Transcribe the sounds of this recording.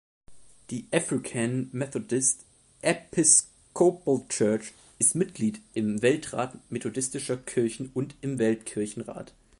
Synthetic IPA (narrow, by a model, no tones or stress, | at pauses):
d̥iːʔɛfʁɪkʰanmɛθɔdɪst | ʔɛpʰɪs | kʰoplt͡ʃœɐt͡ʃ | ʔɪstmɪtɡ̥liːtɪmvɛltʁ̥a̰ːtmetʰodɪstɪʃɐkʰɪɐçn̩ʊntɪmvɛltkʰɪɐçn̩ʁa̰ːt